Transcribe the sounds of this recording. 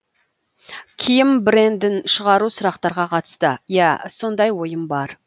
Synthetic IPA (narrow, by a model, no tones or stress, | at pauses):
kʲʰijɪmbɪɾe̞nd̪ɪnʃəʁɑɾusʊɾɑqt̪ɑɾʁɑqʰɑt̪ə̥st̪əjæso̞nd̪ɑjwo̞jəmbɑɾ